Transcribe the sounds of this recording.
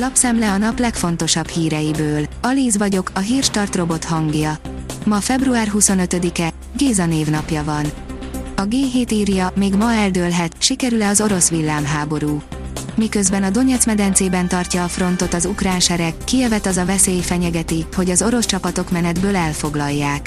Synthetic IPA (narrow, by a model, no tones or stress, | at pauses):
lɒpsɛmlɛɒnɒplɛkfo̞nt̪o̞ʃɒbhiːɾɛjibøːlɒliːzʋɒɟo̞kʰɒɦiːrʃt̪ɒrt̪ro̞bo̞t̪hɒŋɡjɒmɒfɛbruaːrɦuso̞nø̞t̪ød̪ikɛ | ɡeːzɒneːvn̪ɒpjɒvɒn | ɒɡeːɦeːt̪iːrjɒmeːɡmɒɛld̪øːlɦɛt̪ʃikɛɾylɛɒzo̞ɾo̞sʋilːaːmɦaːbo̞ɾuː | mikø̞zbɛnɒd̪o̞ɲɛt̪smɛd̪ɛnt̪seːbɛnt̪ɒrcɒːfro̞nt̪o̞t̪ɒzukraːnʃɛɾɛkːijɛvɛt̪ɒzɒvɛseːjfɛɲɛɡɛt̪iho̞ɟɒzo̞ɾo̞st͡ʃɒpɒt̪o̞kmɛnɛd̪bøːlɛlfo̞ɡlɒjːaːk